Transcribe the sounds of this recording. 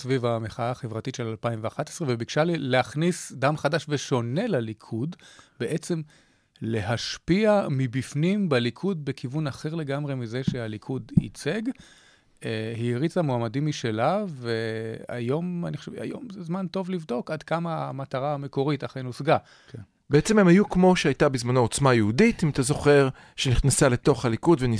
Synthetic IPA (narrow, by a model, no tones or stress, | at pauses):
svivameχaaːχevʁatitʃe̞lalpaimveaχatesʁevebiɡʃalileaχnisdamχadaʃveʃo̞ne̞lalikʰudbeʔe̞t͡se̞m | le̞ɦaʃpiamibifnimbelikʰud̚bekʰivunaχe̞ʁle̞ɡamʁemize̞ʃealikʰudḭt͡se̞ɡ | ehiʁit͡samoamadimiʃe̞lavea̰jo̞ma̰niχoʃeva̰jo̞̰mzezmanto̞vlivdo̞kadkamaːmataʁaːmeko̞ʁitaχejnosɡa | k | beet͡sememhajukmo̞ʃeajtabizmanoot͡smajehuditimatazo̞χe̞ʁ | ʃeniχnasale̞to̞χhalikudveni